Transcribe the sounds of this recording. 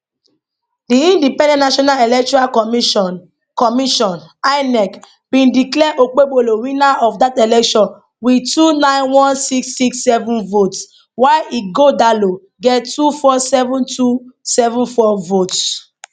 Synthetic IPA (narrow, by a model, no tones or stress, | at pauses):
diĩndipɛ̃ndɛ̃tnaʃɔnalelɛk̚tɔɾakɔm | kɔmiʃɔ̃naɪnɛk | bĩndiklɛʔok͡peɡ͡boloɾĩnaʔɔfdatelɛkʃɔ̃n | witunãɪ̃nwɔ̃nsiksːiksːɛvũnvots | waɪiɡodalo | ɡɛttufɔsɛvũntʰusɛvũnfɔvots